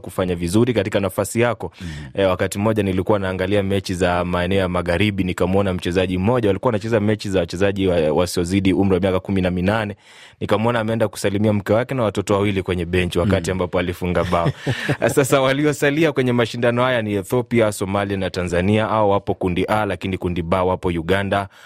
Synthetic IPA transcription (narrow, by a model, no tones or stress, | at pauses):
kufaɲavizuɾikatikanafasijakɔwakatim̩ɔʄanilikuawnaːŋɡaliamɛt͡ʃizamaɛnɛɔjamaɣaɾiɓinikamɔnam̩t͡ʃɛzaʄim̩ɔʄawalikuanat͡ʃɛzamɛt͡ʃizawat͡ʃɛzaʄiwasiɔziɗium̩ɾiwamiakakuminaminanɛ | nikamɔnaːmɛɛndaku̥salimiam̩kɛwakɛnawatɔtɔwawilikwɛɲɛɓɛnt͡ʃiwakatiambapɔalifuŋɡaɓaɔsasawaliɔsaliakwɛɲɛmaʃindanɔhajaniɛθɔpiasɔmalianatanzaniaʔaɔwapɔkundiʔalakinikundiɓawapɔjuɠanda